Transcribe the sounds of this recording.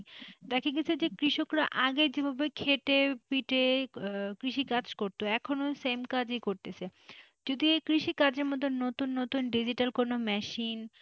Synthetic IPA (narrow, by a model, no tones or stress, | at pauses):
t̪akʰeɡit͡ɕʰed͡ʑekɾiʃokɾaʔaɡed͡ʑebʱabekʰeʈepiʈe | kɾiʃikad͡ʑkoɾt̪oɛkʰonosemkad͡ʑejkoɾt̪et͡ɕʰe | d͡ʑod̪iekɾiʃikad͡ʑeɾmɔt̪onot̪unːot̪unɖid͡ʑiʈalkonomɛʃin